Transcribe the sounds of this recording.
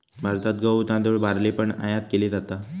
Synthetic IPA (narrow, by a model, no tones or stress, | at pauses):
bʱaɾt̪at̪̚ɡəwt̪ãd̪uɭbʱaɾlepəɳa̰jãt̪keliːd͡zat̪a